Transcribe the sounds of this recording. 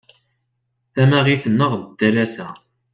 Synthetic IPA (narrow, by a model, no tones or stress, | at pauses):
θæmæʁiθənːəʁðəd̪ːælæsæ